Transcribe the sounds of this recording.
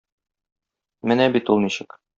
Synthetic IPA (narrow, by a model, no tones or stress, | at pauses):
mɘnæbit̪ulˠniɕɘk